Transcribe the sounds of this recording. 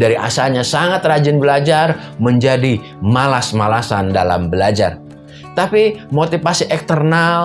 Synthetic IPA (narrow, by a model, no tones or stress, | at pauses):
daɾiʔa̰salɲasaŋat̪rad͡ʒɪnbəlad͡ʒarməɲd͡ʒadi | malasmalasanda̰la̰mbəlad͡ʒa̰r | t̪apimot̪ifasiʔɛkt̪ərnal